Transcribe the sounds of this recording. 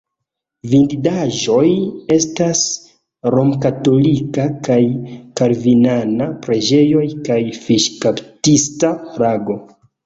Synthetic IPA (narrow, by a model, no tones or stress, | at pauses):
vindidaʒo̞je̞stas | ɾo̞mkato̞likakajkaɾvinanapɾe̞d͡ʒe̞jo̞jkajfiʃkaptistaɾaɡo̞